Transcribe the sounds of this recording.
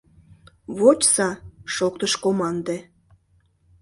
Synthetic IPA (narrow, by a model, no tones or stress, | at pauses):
βot͡ɕsɑʃok̚t̪əʃkomɑnd̪e